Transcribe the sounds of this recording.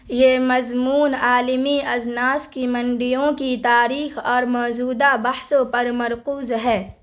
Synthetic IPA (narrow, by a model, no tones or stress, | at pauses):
jemɐzmuːnaːlɪmiɐznaːskimɐ̃ɳɖɪjõkit̪aːɾiːxɔːɾmɔːzuːd̪abɐhsõpɐɾmɐɾquːzɦɛː